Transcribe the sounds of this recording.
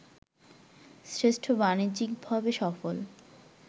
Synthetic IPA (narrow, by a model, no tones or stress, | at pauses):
sɾeʃʈʰobanid͡ʑikbʱabeʃɔfol